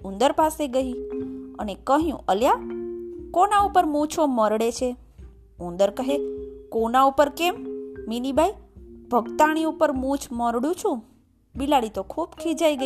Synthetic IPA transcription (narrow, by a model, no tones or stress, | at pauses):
ũnd̪əɾpaseɡəiənekəɦjṵ̃ʔəlja | konaupəɾmũt͡ʃʰoməɾɽet͡ʃʰe | ũnd̪əɾkəɦekonaupəɾkemːinibʱaibʱəɡt̪aɽ̃iupəɾmũt͡ʃʰməɾɽũt͡ʃʰũ | bilaɽit̪okʰubkʰid͡ʒajɡə